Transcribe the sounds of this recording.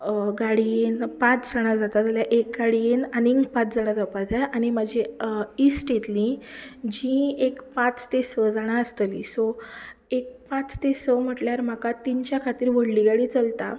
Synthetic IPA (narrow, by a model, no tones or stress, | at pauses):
ɡaɽienpãt͡sd͡zaɽ̃ad͡zat̪ad͡zaljaʔek̚ɡaɽienaniŋɡpãt͡sd͡zaɽ̃ad͡zapad͡zajaɽ̃imad͡ʑʱeisʈet̪lĩd͡ʑĩekpãt͡st̪esəd͡zaɽ̃aəst̪əliso | ek̚pãt͡st̪esəm̤əʈljaɾm̤akat̪iɲt͡ɕjakʰat̪iːɾʋəɽliɡaɽiːt͡səlt̪a